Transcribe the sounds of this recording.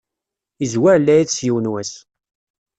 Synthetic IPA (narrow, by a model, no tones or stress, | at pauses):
izwæɾlːæjiðsjiwnwæs